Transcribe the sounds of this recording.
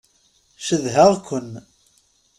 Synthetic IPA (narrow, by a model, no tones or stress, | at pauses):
ʃəðɦəʁkʷən